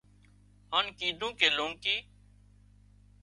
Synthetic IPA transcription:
haːnkiːɖ̪ʱũːkeːloːŋkiː

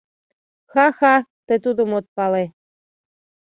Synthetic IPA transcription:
xɑxɑt̪et̪ud̪omot̪̚pɑle

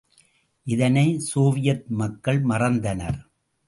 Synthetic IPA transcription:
ʔɪðɐnɐɪsoːʋɪjɐt̪̚mɐkːɐɭmɐrɐnd̪ɐnɐ̰ɾ

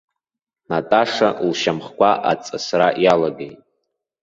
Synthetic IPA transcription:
natʼaʂalʃamχkʷʰaʔat͡sʼasraʔjalaɡejtʼ

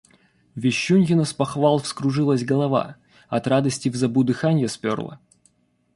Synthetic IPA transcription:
vʲɪɕːunʲjɪnəspɐxvalˠfskɾʊʐɨlˠəsʲɡɐlˠɐva̰ | ɐt̪rad̪əsʲtʲɪvzɐbud̪ɨxanʲjəspʲo̰rlˠə̰

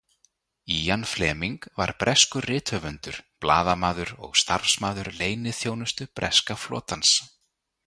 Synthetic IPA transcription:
ijanflɛːmiŋkva̰ɾ̥pɾʔɛskʏrrɪːt̪hœvʏnt̪ʏɾ̥pla̰ːðamaːðʏɾɔ̰ɣst̪a̰ɾ̥smaːðʏɾleːjnɪθjoːwnʏst̪ʏpɾʔɛ̰skaflɔ̰ːt̪ans

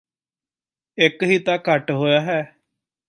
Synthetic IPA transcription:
ɪkɦiːt̪ãːkəʈɦoːjaːɦɛː

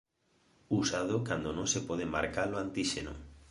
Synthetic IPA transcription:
usað̞ʊkand̪onõŋsepɔð̞ema̰ɾkaloant̪iʃeno̰

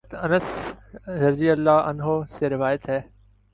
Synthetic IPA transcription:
t̪ɐnəsd̪ɐɾziəlːaːɐ̰nɦoːseːɾɪʋaːjət̪ɦɛː

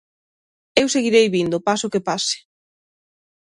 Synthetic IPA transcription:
ewseɣiɾejβind̪ʊpasʊkepasɪ̥

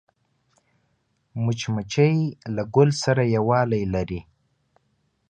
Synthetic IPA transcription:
mʊt͡ʃmat͡ʃajlaɡʊlsaɾajawɑːlajlaɾi

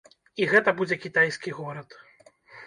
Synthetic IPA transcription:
iɣɛt̪ɐbud͡zʲɛkʲit̪ajskʲiɣɔɾɐt̪

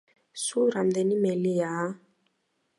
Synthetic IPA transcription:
suɾamd̪ɛnimɛlija

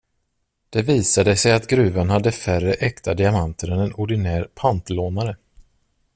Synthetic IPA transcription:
d̪̥ɛviːsad̪əsɛjat̪ɡɾʉ̟ːvanhad̪ːəfærəʔɛkt̪ʰad̪ɪamant̪ʰəɾɛnɛnʊɖɪnæːɾpʰant̪loːnaɾə

